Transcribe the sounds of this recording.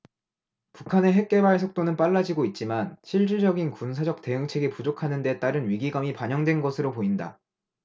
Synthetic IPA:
pukʰane̞ɦe̞k̚k͈e̞baɭs̬ʰok̚t͈onɯnp͈aɭːad͡ʑiɡoit̚t͡ɕ͈imanɕʰiɭt͡ɕ͈iɭd͡ʑʌɡinkunsʰad͡ʑʌk̚t͈e̞ɯŋt͡ɕʰeɡipud͡ʑokʰanɯnde̞t͈aɾɯnɥiɡiɡamipaɲʌŋdwe̞nɡʌsʰɯɾopoinda̰

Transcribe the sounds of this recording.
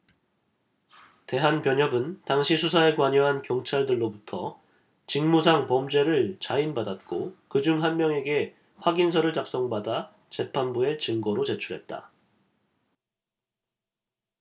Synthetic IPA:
te̞ɦanpjʌɲʌbɯntaŋɕʰisʰusʰae̞kwaɲʌɦankjʌŋt͡ɕʰaɭdɯɭːobutʰʌ | t͡ɕiŋmus̬ʰaŋpʌmd͡ʑwe̞ɾɯɭt͡ɕainbadat̚k͈okɯd͡ʑuŋɦanmjʌŋe̞ɡe̞ | ɸwaɡins̬ʰʌɾɯɭt͡ɕak̚s͈ʌŋbada | t͡ɕe̞pʰanbue̞t͡ɕɯŋɡʌɾot͡ɕe̞t͡ɕʰuɾɦe̞t̚t͈a̰

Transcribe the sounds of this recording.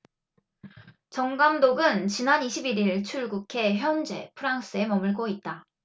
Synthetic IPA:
t͡ɕʌŋɡamdoɡɯnt͡ɕinaniɕʰibiɾiɭt͡ɕʰuɭɡukʰe̞çjʌnd͡ʑe̞pʰɯɾaŋs͈ɯe̞mʌmɯɭkoit̚t͈a

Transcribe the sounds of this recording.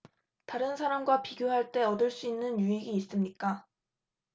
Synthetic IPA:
taɾɯnsʰaɾamɡwapiɡjoɦaɭt͈e̞ʌdɯɭs͈uinːɯnjuiɡiːs͈ɯmɲik͈a

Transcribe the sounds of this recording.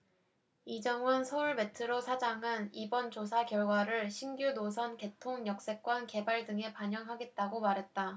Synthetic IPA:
id͡ʑʌŋɯnsʰʌuɭme̞tʰɯɾosʰad͡ʑaŋɯnibʌnt͡ɕosʰakjʌɭɡwaɾɯɭɕʰimɡjunos̬ʰʌnke̞tʰoŋjʌk̚s͈e̞k̚k͈wʌnke̞baɭdɯŋe̞paɲjʌŋɦaɡe̞t̚t͈aɡomaɾɦe̞t̚t͈a

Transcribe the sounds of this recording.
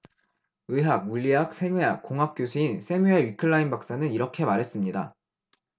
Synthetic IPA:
ɯɦak̚muʎːiɦak̚sʰe̞ŋeɦak̚k͈oŋɦak̚k͈josʰuinsʰe̞mueɥikʰɯɭːainbak̚s͈anɯniɾʌkʰe̞maɾɦe̞s͈ɯmɲida̰

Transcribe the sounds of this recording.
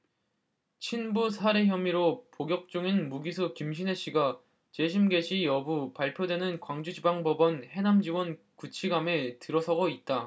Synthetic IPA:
t͡ɕʰinbusʰaɾe̞çjʌmiɾopoɡjʌk̚t͡ɕ͈uŋinmuɡisʰukimɕ̬ʰine̞ɕ͈iɡa | t͡ɕe̞ɕʰimɡe̞ɕʰijʌbupaɭpʰjodwe̞nɯnkwaŋd͡ʑud͡ʑibaŋbʌbʌnhe̞namd͡ʑiwʌn | kut͡ɕʰiɡametɯɾʌsʰʌɡʌit̚t͈a

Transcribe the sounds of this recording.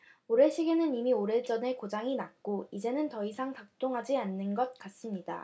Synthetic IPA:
oɾeɭɕ͈ʰiɡenɯnimioɾeɭt͡ɕ͈ʌne̞kod͡ʑaŋinak̚k͈oid͡ʑe̞nɯntʌisʰaŋtak̚t͈oŋɦad͡ʑianːɯnɡʌt̚k͈as͈ɯmɲida̰

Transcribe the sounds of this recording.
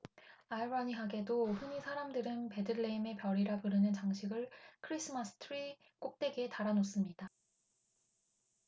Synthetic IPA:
aibaɲiɦaɡe̞doɸuɲisʰaɾamdɯɾɯnpe̞dɯɭːeime̞pjʌɾiɾapɯɾɯnɯnt͡ɕaŋɕʰiɡɯɭkʰɯɾisʰɯmasʰɯ̥tʰɯɾi | k͈ok̚t͈e̞ɡe̞taɾanos͈ɯmɲid̥a

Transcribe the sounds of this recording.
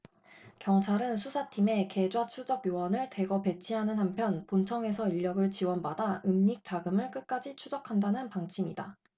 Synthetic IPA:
kjʌŋt͡ɕʰaɾɯnsʰusʰatʰime̞ke̞d͡ʑwat͡ɕʰud͡ʑʌbjowʌnɯɭte̞ɡʌpe̞t͡ɕʰiɦanɯnɦampʰjʌnpont͡ɕʰʌŋe̞sʰʌiʎːʌɡɯɭt͡ɕiwʌnbadaɯmɲik̚t͡ɕ͈aɡɯmɯɭk͈ɯk͈ad͡ʑit͡ɕʰud͡ʑʌkʰandanɯnpaŋt͡ɕʰimida

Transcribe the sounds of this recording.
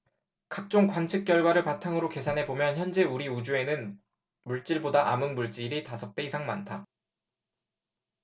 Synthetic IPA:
kak̚t͡ɕ͈oŋkwant͡ɕʰɯk̚k͈jʌɭɡwaɾɯɭpatʰaŋɯɾoke̞sʰanɦe̞bomjʌnçjʌnd͡ʑe̞uɾiud͡ʑue̞nɯn | muɭt͡ɕ͈iɭbodaʔamɯnmuɭt͡ɕ͈iɾitasʰʌk̚p͈e̞isʰaŋmantʰa

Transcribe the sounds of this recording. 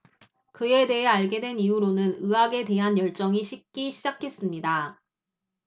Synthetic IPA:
kɯe̞de̞ɦeaɭɡe̞dwe̞nijuɾonɯnɯaɡe̞de̞ɦanjʌɭt͡ɕ͈ʌŋiɕʰik̚k͈iɕʰid͡ʑakʰe̞s͈ɯmɲida

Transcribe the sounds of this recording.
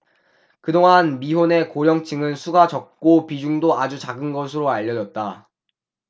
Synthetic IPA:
kɯdoŋɦanmiɦone̞koɾjʌŋt͡ɕʰɯŋɯnsʰuɡat͡ɕʌk̚k͈opid͡ʑuŋdoad͡ʑut͡ɕaɡɯnɡʌsʰɯɾoaʎːʌd͡ʑʌt̚t͈a

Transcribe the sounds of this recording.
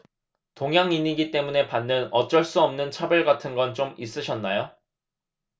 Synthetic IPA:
toŋɦjaŋiɲiɡit͈e̞mune̞panːɯnʌt͡ɕ͈ʌɭs͈uʌmnɯnt͡ɕʰabjʌɭɡatʰɯnɡʌnt͡ɕomis͈ɯɕʰʌnːajo

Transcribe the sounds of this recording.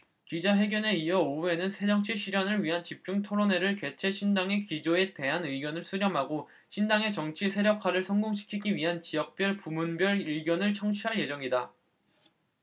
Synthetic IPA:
kid͡ʑaɦe̞ɡjʌne̞iʌoue̞nɯnsʰe̞ɾjʌŋt͡ɕʰiɕʰiɾjʌnɯɭɥiɦant͡ɕip̚t͡ɕ͈uŋtʰoɾone̞ɾɯɭke̞t͡ɕʰe̞ɕʰindaŋe̞kid͡ʑoe̞te̞ɦanɯiɡjʌnɯɭsʰuɾjʌmɦaɡo | ɕʰindaŋe̞t͡ɕʌŋt͡ɕʰisʰe̞ɾjʌkʰaɾɯɭsʰʌŋɡoŋɕʰi̥kʰiɡiɥiɦant͡ɕijʌk̚p͈jʌɭpumunbjʌɾiɭɡjʌnɯɭt͡ɕʰʌŋt͡ɕʰiɦaɭje̞d͡ʑʌŋida

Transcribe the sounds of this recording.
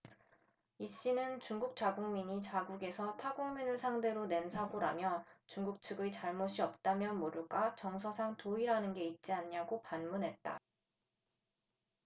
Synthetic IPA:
iɕ͈inɯnt͡ɕuŋɡuk̚t͡ɕ͈aɡoŋmiɲit͡ɕaɡuɡe̞sʰʌtʰaɡoŋminɯɭsʰaŋde̞ɾone̞nsʰaɡoɾa̰mjʌt͡ɕuŋɡuk̚t͡ɕʰɯɡɯt͡ɕaɭmoɕʰiʌp̚t͈amjʌnmoɾuɡat͡ɕʌŋsʰʌsʰaŋtoiɾanɯnɡe̞it̚t͡ɕ͈iaɲɲaɡopanmunɦe̞t̚t͈a̰

